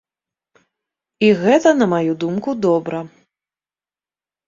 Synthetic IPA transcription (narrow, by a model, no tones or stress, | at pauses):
iɣɛt̪ɐnɐmajud̪umkud̪ɔbɾɐ